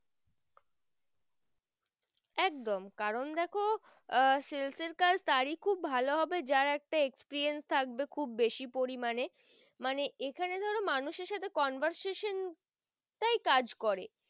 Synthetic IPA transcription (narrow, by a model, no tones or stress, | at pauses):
ɛk̚d̪omkaɾond̪ɛkʰo | selseɾkad͡ʑʱt̪aɾikʰubːʱaloɦɔbed͡ʑaɾɛk̚ʈaekspeɾɾienst̪ʰak̚bekʰubːeʃipoɾimane | maneʔekʰaned̪ʱɔɾonmanuʃeɾʃat̪ʰekɔnbʱaɾseʃon | ʈajkad͡ʑkɔɾe